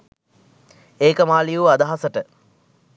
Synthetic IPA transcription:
eːkəmaːlijuad̪aɦasəʈə

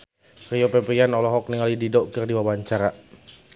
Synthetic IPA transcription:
rijopɛpianɔlɔɦɔk̚niŋalididɔkɨrdiwawaɲt͡ʃaɾa

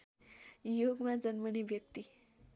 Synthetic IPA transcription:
joɡmad͡zənməniʋjəkt̪i

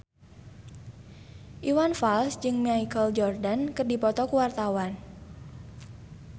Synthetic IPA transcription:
ʔiwanfalsd͡ʒɨŋmiaikəld͡ʒɔrdankɨrdipɔt̪ɔkuwart̪awan

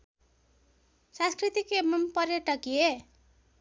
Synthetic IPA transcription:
sãnskrit̪ikemʌmpʌrjʌʈʌkie

